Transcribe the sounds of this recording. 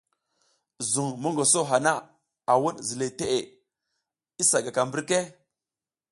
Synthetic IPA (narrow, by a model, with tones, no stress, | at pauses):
zu˨ŋmo˦ŋɡo˨so˦ɦa˨na˦ | a˨wu˦ɗzi˨le˨te˦ʔe˨ | i˦sa˨ɡa˨ka˨mbi˦ɾke˦